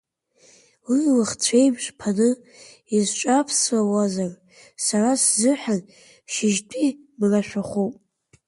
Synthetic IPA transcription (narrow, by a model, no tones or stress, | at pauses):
wilɨχt͡ɕʷʰejbʒʷpʰanɨ | izt͡ʃʷʼapʰsawazar | saraszɨħʷᶣan | ʃɪʒtʼi | mraʃʷᶣaχupʼ